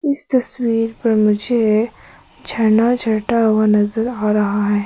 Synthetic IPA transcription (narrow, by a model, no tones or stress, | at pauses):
ɪst̪ɐswiːɾpɐɾmʊd͡ʒʱe | d͡ʒʱɐnad͡ʒʱɐʈawanɐzəɾaːɾɐɦaɦɛː